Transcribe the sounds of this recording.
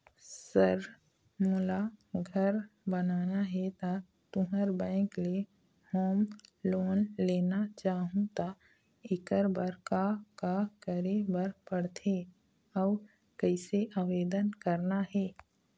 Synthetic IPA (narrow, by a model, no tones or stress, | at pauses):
səɾ | mʊlaɡʱəɾbənaːnaɦɛt̪a | t̪ʊ̃ɦəɾbɛ̃ːklie | hoːmloːnleːnat͡ʃaːɦũt̪a | ɪkəɾbəɾkakakəɾebəɾpəɽt̪ʰe | ɔː | kəɪseʔaːʋeːd̪ənkəɾnaɦɛː